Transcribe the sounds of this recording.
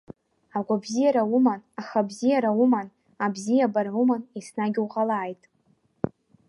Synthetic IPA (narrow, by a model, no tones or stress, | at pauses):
aɡʷabzijaɾawumanaχabzijaɾauman | abzijabarumanesnaɡʲuqʼalaːjtʼ